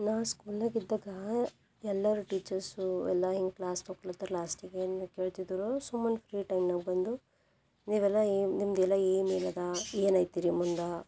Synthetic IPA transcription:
naːskuːlaːɡid̪ːaːɡɐ | ɛlːɐɾuʈiːt͡ʃɐɾsuɛ̰lːɐɦiŋɡklaːst̪oklɐt̪ːɾlaːsʈiɡeːnukeːɭt̪id̪uɾosumːɐnpʰɾiːʈɐjmnɐɡbɐnd̪u | niːʋɛlːɐnimd̪ɛlːɐeːmiːlɐd̪ɐeːnɐjt̪iɾimund̪ɐ

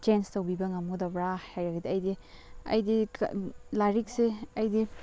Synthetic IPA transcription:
t͡ʃenstowbibɐŋɐmudabɾahajɾɐɡidiɐjdi | ɐ̰jdḭ | laɾik̚seɐjdi

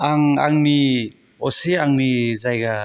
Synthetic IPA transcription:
aŋa̰ŋni | ɔseaŋnizajɡa

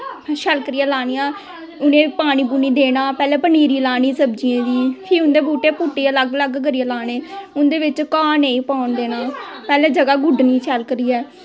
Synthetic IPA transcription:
ʃʰəlkəɾijãːlaːnijãː | ʊnẽːpaːɽ̃iːbuːniːd̪eːnaːpɛːlɛːpəniːɾiːlaːniːsəb̚d͡ʒiẽːd̪iːpʰɪɾʊnd̪eːbuːʈeːpʊʈːeːələɡləɡɡəɾijãːlaːneːʊnd̪eːʋɪt͡ʃkaːneĩːpaːɳd̪eːnaːpɛːleːd͡ʒəɡaːɡʊɖniːt͡ʃʰəlkɾiːɛː

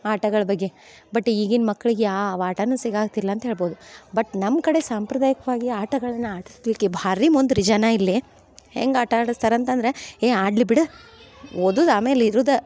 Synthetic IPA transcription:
aːʈɐɡɐɭɐbɐɡːe̞ | bɐʈːiːɡinmɐkːɐɭiɡeaːʋaːʈɐnuːsiɡaːɡ̚t̪ilːɐːnt̪ɐɦe̞ːɭboːd̪ubɐʈːnɐmkɐɽe̞saːmpɾɐd̪aːjɐkɐʋaːɡiaːʈɐɡɐɭɐnːɐaːʈust̪ʋikːebʱaːɾimond̪uɾid͡ʒɐnailːi | hḛŋɡaːʈɐːɽɐst̪aːɾɐnt̪ɐnd̪ɐɾeeːaːɖlibiɽɨ | od̪uːd̪aːme̞ːliɾuːd̪ɐ

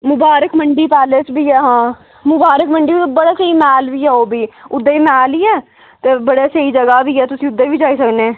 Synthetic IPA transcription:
mʊbaːɾəkməɳɖiːpɛːleːt͡ʃbiːɛːɦãː | mʊbaːɾəkməɳɖiːbəɽeːsəiːmɛːlʋiːɛːoːbiːʊd̪ːeːiːmɛːliːɛː | t̪eːbəɽeːsəiːd͡ʒəɡaːbiːɛːt̪ʊsĩːʊd̪ːeːbiːd͡ʒaːiːsəkneː

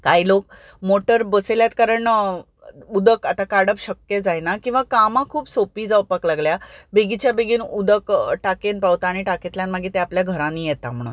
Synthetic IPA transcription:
kaɦilok | moʈəɾbəseljat̪kaɾəɳ | ud̪əkat̪akaɽəpɕəkjed͡zajnakĩw̃ʋakamãkʰuːbsopiːd͡zaʋpaklaɡljabeɡit͡ɕjabeɡiːnud̪əkʈakenpawt̪aːɽ̃iʈaket̪ljanmaɡiːt̪eapljaɡʱəɾãniːjɛt̪am̤əɽ̃ṵːn

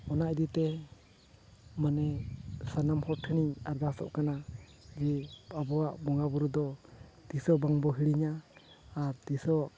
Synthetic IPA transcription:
ɔnaid̪it̪ɛ | manɛsanamhɔʈʰɛniɲaɾd̪asɔ̰ʔkana | d͡ʒɛabɔwaʔbɔŋabɔɾud̪ɔt̪isɔbaŋbɔɦiɽiɲaː | ɾt̪isɔ

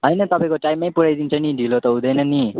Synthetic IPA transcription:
ɦʌjnʌt̪ʌpaj̃koʈajmːajpuɾajd̪int͡sʰʌniɖʱilot̪ʌɦũd̪ʌjnʌni

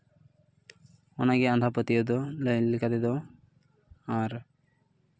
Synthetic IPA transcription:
ɔnaɡeand̪ʱapət̪iod̪ollikad̪ed̪ɔ | aɾ

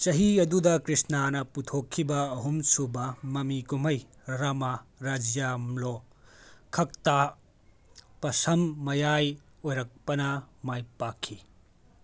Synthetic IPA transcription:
sɐɦiɐdudɐkɾisnanɐputʰokʰːibɐːɦumsubɐmɐmikumɐj | ɾɐmaɾad͡ʒijamlo | kʰɐk̚ta | pɐsɐmːɐjaj | ojɾɐk̚pɐnɐmajpakʰːi

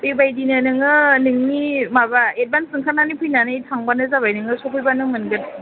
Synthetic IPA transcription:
bebajdinɯnɯŋɯnɯŋnimabaet̚bansɯŋkʰananipʰujnanɯjtʰaŋbanɯzabajnɯŋɯsɔpʰɯjbanɯŋmɯnɡɯt̚

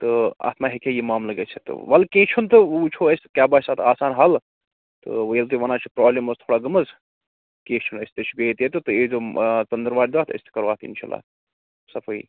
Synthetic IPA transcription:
t̪ɨa̰ːt̪maːɦekʰejimaːmlɐɡet͡ʃʰet̪ɨ̰ʋɐlkeːt͡ʃʰunt̪ɨut͡ʃʰoɐsʲt̪kʲaːbaːsaːt̪aːsaːnɦɐl | t̪ɨ̰ʋəjelt̪ɨʋɐnaːt͡ʃʰipɾaːblemɐst̪ʰoːɽaːɡɐmɐz | keːt͡ʃʰunɐst̪ɨt͡ʃʰibeːt̪jet̪ɨt̪ɨeːzoːt͡sɐnd̪əɾʋaːɖd̪ʋaːt̪ʰɐ̰sʲt̪ʰɨ̥kɐɾʋaːt̪ʰḭnʃa̰ːlːa̰ː | sɐpʰoḭ

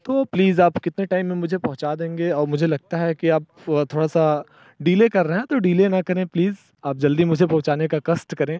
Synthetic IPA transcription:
t̪oːpliːzaːpkɪt̪neʈaːɪmːẽmʊd͡ʒʱepɐ̃ɦʊ̃t͡ʃad̪ẽːŋɡeɔːɾmʊd͡ʒʱelɐɡ̚t̪aɦɛkiaːp | t̪ʰoːɽasa | ɖiːlekɐɾːɐɦɛ̃t̪oɖiːlenɐkɐɾẽːpliːz | aːp̚d͡ʒɐld̪imʊd͡ʒʱepɐ̃ɦʊ̃t͡ʃaːnekakɐsʈkɐɾẽː

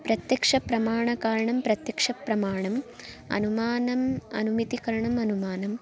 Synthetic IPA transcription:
pɾɐt̪jɐkʂɐpɾɐmaːɳɐkaːɾɐɳɐmpɾɐt̪jɐkʂɐpɾɐmaːɳɐm | ɐ̰numaːnɐmɐ̰numit̪ikɐɾɐɳɐmɐnumaːnɐm

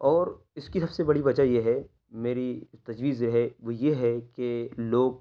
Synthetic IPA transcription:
ɔːɾ | ɪskisɐbsebɐɽibɐd͡ʒajeɦɛ | meːɾit̪ɐd͡ʒʋiːzɾɐɦeʋojeɦɛkeloːɡ̚

